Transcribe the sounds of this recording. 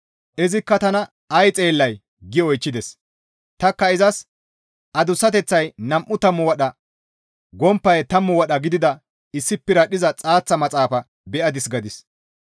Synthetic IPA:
ʔɛzɪkːɐt̪ɐnɐ | ɐjt͡sʼe̞ːlːɐj | ɡɪɔjt͡ʃːɪd̪ɛs | t̪ɐkːɐɪzɐs | ʔɐd̪ʊsːɐt̪ɛt͡sːɐjnɐmʔːʊt̪ɐmːʊwɐɗɐ | ɡɔmpːɐjt̪ɐmːʊwɐɗɐɡɪd̪ɪd̪ɐ | ɪsːɪpːɪɾɐɗɪzɐt͡sʼaːt͡sːɐmɐt͡sʼaːfɐ | bɛʔɐd̪ɪsɡɐd̪ɪs

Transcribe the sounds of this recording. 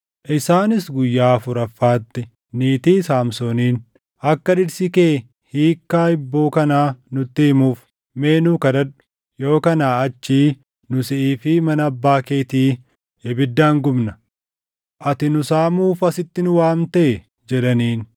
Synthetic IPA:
ʔɪsaːnɪsɡʊjːaːfʊɾɐfːaːt̪ːɪ | niːt̪iːsaːmsoːniːn | ʔɐkːɐᶑɪɾsɪkeː | hiːkːaːɪbːo̞ːkɐnaːnʊt̪ːɪːmuːf | me̞ːnuːkɐd̪ɐᶑʊ̥ | jo̞ːkɐnaːɐt͡ʃːiː | nʊsɪʔiːfɪmɐnɐbːaːkeːt̪iː | ɛbɪd̪ːaːŋɡʊmnɐ | ʔɐt̪ɪnʊsaːmuːfɐsɪt̪ːɪnʊwaːmt̪eː | d͡ʒɛᶑɐniːn

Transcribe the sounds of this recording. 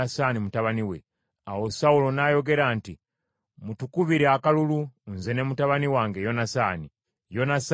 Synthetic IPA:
asaːnimutaβaniwe̞̰ | awo̞saulo̞najo̞ɡe̞ɾaːnti | mutukuβiɾeakalulunze̞ne̞mutaβaniwaːŋɡe̞jo̞nasaːni | jo̞nas

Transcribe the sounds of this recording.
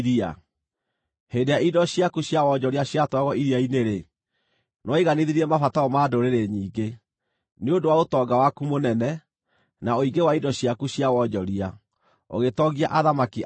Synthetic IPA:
ɾia̰ | hendejaidɔɕiakuɕjawɔɲɔɾiaɕiatwaɣɔʔiɾiaineɾe | nɔiɣaniðiɾiɾɛmafataɔmadoɾeɾeɲiːɡe | neodowaotɔɡawakumonɛnɛ | naoiɡewaidɔɕjakuɕjawɔɲɔɾia | o̰ɣetɔɣiaʔaðamaki

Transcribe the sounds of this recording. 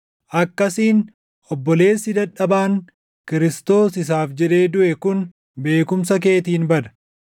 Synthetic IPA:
ʔɐkːɐsiːn | ʔɔbːɔle̞ːsːɪd̪ɐᶑɐbaːŋ | kɪɾɪst̪o̞ːsɪs̬aːfd͡ʒɛᶑe̞ːd̪ʊʔɛkʊn | be̞ːkʊmsɐk̬e̞ːt̪iːnbɐd̪ɐ̥

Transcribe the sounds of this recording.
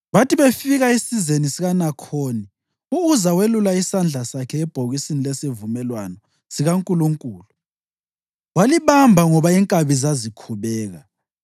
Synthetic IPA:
βatʰʼiβefiɣaisizenisiɣanakʰoːni | uuzawelulaisand͡ɮʱasakʰɛːb̥ʱoɣisinilesivumɛlwanɔ | siɣaŋkʼuluŋkʼuːlu | waliβambʱaŋɔβaiŋkʼaβizazikʰuβɛːɣa

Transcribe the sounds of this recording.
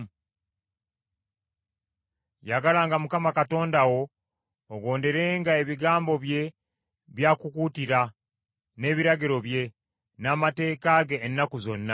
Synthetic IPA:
jaɡalaːŋɡamukamakato̞ːndawo̞ː | ɡo̞ːnde̞ɾe̞ːŋɡae̞βiɡaːmbo̞βje̞ | βjaːkukutiɾa | ne̞ːβiɾaɡiɾo̞βje̞ | naːmate̞ːkaɡeːnːakuzo̞nːa

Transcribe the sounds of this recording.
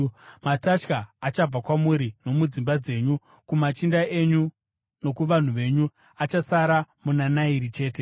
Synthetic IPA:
matat͡ʃkaːt͡ʃab͡vakwamuɾino̞mud͡zimbad͡ze̞ːɲu | kumat͡ʃindae̞ɲu | no̞kuʋan̤uʋe̞ːɲu | at͡ʃasaɾamunanaiɾit͡ʃe̞ːte̞

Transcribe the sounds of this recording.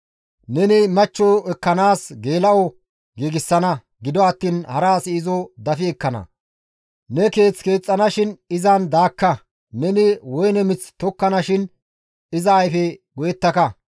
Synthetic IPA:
nɛnɪmɐt͡ʃːɔɛkːɐnaːsɡe̞ːlɐʔɔ | ɡiːɡɪsːɐnɐ | ɡɪd̪ɔɐt̪ːiːnhɐɾaːsːzɔd̪ɐfɪɛkːɐnɐ̰ | nɛke̞ːt͡ske̞ːt͡sʼːɐnɐʃɪnɪzɐnd̪aːkːɐ | nɛnɪwɔjnɛmɪt͡st̪ɔkːɐnɐʃɪn | ɪzɐːjfɛɡɔjɛt̪ːɐkɐ

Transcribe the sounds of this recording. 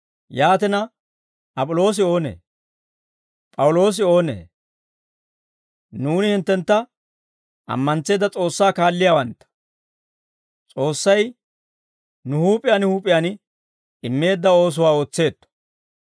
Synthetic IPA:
jaːt̪ɪnɐ | ʔɐpʼɔlo̞ːs̬ɪo̞ːnḛː | pʼɐwʊlo̞ːs̬ɪo̞ːnḛː | nuːnɪhɪnt̪ːɛnt̪ːɐ | ʔɐ̰mːɐnt͡se̞ːd̪ɐt͡sʼo̞ːsːaːkaːlːɪjawɐnt̪ːɐ̥ | t͡sʼo̞ːsːɐj | nʊhuːpʼɪjanɪhuːpʼɪjanɪ | ɪmːe̞ːd̪ːɐo̞ːs̬ʊwaːo̞ːt͡sːe̞ːt̪ːɔ̥

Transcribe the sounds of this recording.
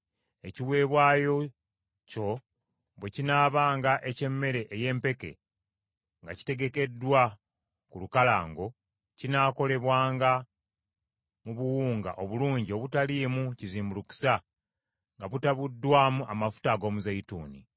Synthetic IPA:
e̞ciwe̞ːβwaːjo̞ | co̞ | βwe̞cinaːβaːŋɡaʔe̞ce̞mːe̞ɾe̞ʔːje̞ːmpe̞ke̞̰ | ŋɡaci̥te̞ɡe̞ke̞dːwa | kulukala̰ːŋɡo̞ | cinaːko̞le̞βwaːŋɡa | muβuwuːŋɡa̰ʔo̞βuluːɲɟio̞βutalimuciziːmbuluku̥sa | ŋɡaβutaβudːwaːmuʔamafu̥taɡo̞ːmuzaituːni

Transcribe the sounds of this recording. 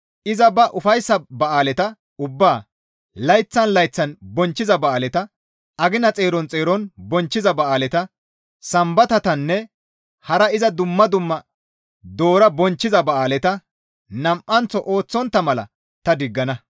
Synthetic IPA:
ʔɪzɐbɐʔʊfɐjsːɐbɐʔaːlɛt̪ɐ | ʊbːaː | lɐjt͡sːɐnlɐjt͡sːɐnbɔnt͡ʃːɪzɐbɐaːlɛt̪ɐ | ʔɐɡɪnɐt͡sʼeːɾɔnt͡sʼe̞ːɾɔnbɔnt͡ʃːɪzɐbɐaːlɛt̪ɐ | sɐmbɐt̪ɐt̪ɐnːɛ | hɐɾɐɪzɐd̪ʊmːɐd̪ʊmːɐ | d̪o̞ːɾɐbɔnt͡ʃːɪzɐbɐʔaːlɛt̪ɐ | nɐmʔːɐnt͡sːɔʔo̞ːt͡sːɔnt̪ːɐmɐlɐ̰ | t̪ɐd̪ɪɡːɐnɐ

